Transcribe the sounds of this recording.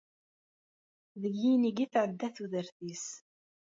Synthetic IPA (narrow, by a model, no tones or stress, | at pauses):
ðəʝːiniɡiθʕəd̪ːæθuðəɾθis